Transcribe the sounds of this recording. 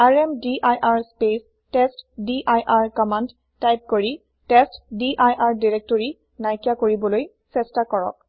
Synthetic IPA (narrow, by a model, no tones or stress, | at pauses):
aɹɛmdiʔajʔaɹspes | testdiʔajʔaɹkɔmand | tajp̚koɹi | tɛstdiʔajʔaɹdiɹek̚toɹi | najkjakoɹibɔloj | sɛstakɔɹɔ̰k̚